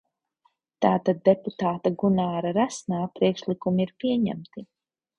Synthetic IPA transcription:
t̪aːt̪ad̪ːeput̪aːt̪aɡunaːɾaɾasnaːpɾiɛkʃlikumiiɾpiɛɲæ̰mt̪i

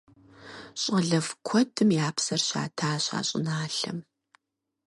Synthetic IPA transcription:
ɕʼɐɮɐfkʷʰɔdʰɨmjaːpsɐrɕa̰ːtʰaːɕa̰ːɕʼɪnaːɬɐ̰m

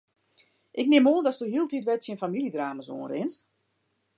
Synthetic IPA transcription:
ʔɪk̚nɪmoəndɔsd̥oɦiəlˠtitʋɛtsjənfamiliədraːməso̰ːnrɪnst

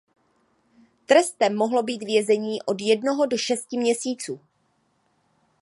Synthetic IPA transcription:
t̪ɾɛst̪ɛmːoɦlo̞biːt̪vjɛzɛɲiːʔo̞djɛdnoɦo̞do̞ʃɛscɪmɲɛsiːt͡suː

